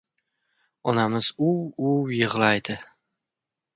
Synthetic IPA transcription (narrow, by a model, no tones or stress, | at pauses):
ɒnamɪz̥ʊwʊwjɨʁlˠajd̪ɪ